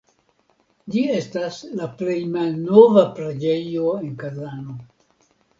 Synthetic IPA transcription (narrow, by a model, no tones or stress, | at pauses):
d͡ʒie̞staslaple̞jmalno̞vapɾad͡ʒe̞jo̞e̞nkazano̞